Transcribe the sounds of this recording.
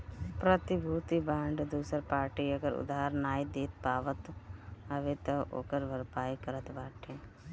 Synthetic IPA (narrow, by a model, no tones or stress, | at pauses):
pɾət̪ibʱuːt̪ibãːɳɖd̪uːsəɾpaːɾʈiəɡəɾʊ̰d̪aɦəɾnaːid̪eːt̪paːʋət̪ɦəʋet̪ɐʔo̰ːkəɾʋəɾpaːikəɾət̪baːʈʰeː